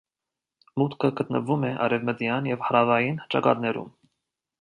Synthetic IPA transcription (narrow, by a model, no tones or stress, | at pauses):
mut̪kʰəɡət̪nə̰vumɛʔɑ̰ɾɛvməd̪jɑnjɛvhɑɾɑvɑjint͡ʃɑkɑ̰t̪nɛɾṵm